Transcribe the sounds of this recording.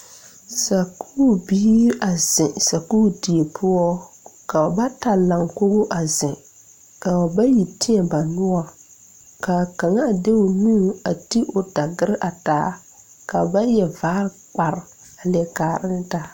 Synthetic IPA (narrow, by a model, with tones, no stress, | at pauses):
sa˨kʰu˦biː˦ɾa˨zɪ˨sa˨kuː˦˨di˨e˨pʰʊ˦ɔ˦ | ka˨ba˦ta˨la˨ŋko˦ɣʊ˦ʔa˨zɪ˨ | ka˨a˨ba˦ji˨tɪ˦ɛ˨ba˨nʊ˦a˨ | ka˨ka˨ŋa˦˨de˦ʊ˨nuː˦˨a˨ti˦ʔo˨da˨ɡɪ˦ɾʔa˨taː˨˦ | ka˨ba˦jɛ˨vaː˦ɾk͡pa˨ɾ | a˨lɪ˨ɛ˨kaː˨ɾɪ˦n˦ta˦